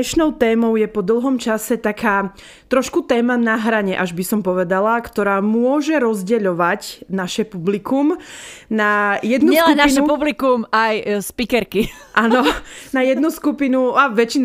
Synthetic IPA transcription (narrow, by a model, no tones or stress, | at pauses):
ɛʃnɔʊt̪ɛːmɔʊjɛpɔd̪l̩ˠɦɔmt͡ʃasɛt̪akʰaː | t̪ɾɔʃkut̪ɛːmanaɦɾaɲɛʔaʒbisɔmpɔʋɛd̪alakt̪ɔɾaːmʊɔʒɛɾɔzɟɛʎɔʋacnaʃɛpublikumnajɛd̪nusɛlɛknːaiʃnɛupublikumajspikɛɾkiʔaːnɔnajɛd̪̚nuskupinuaʋɛt͡ʃin